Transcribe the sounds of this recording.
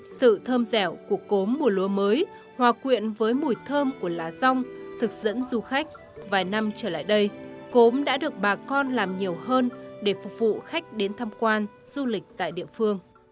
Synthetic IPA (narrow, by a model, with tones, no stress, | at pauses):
sɨ̰˧˨t̪ʰəː˧mzɛ˧˩wku˧˩əko˨˦mːu˨˩lu˨˦əməː˨˦j | hwaː˨˩kwḭ˧˨ənvəː˨˦jmu˨˧˩jt̪ʰəː˧mku˧˩əlaː˨˦za˧wŋ͡mt̪ʰɨ˨˩k̚z̥ə̰˧˥nzu˧xa˦˥jk̟̚ | vaː˨˩jna˧mt͡ɕəː˧˩la̰ː˧˨jɗə˧jko˨˦mɗa̰ː˧˥ɗɨ˨˩ək̚ɓaː˨˩kɔ˧nlaː˨˩mɲi˨˩əwɦəː˧nɗe˧˩fʊ˨˩k͡p̚vṵ˧˨xa˦˥jk̟̚ɗe˨˦nt̪ʰaː˧mkwaː˧nz̥u˧lï˨˩k̟̚t̪a̰ː˧˨jɗḭ˧˨əfɨ˧əŋ